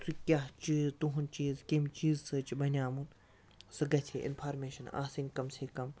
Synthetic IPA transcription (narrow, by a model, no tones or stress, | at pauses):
sukʲaːɦt͡ʃiːzt̪uɦunt͡ʃiːzkemit͡ʃiːzsɨt͡ʃibɐnʲaːmun | sɨɡɐtʰḛːʔɪ̰npʰaːɾmeːʃɐna̰ːsinʲkɐmseːkɐm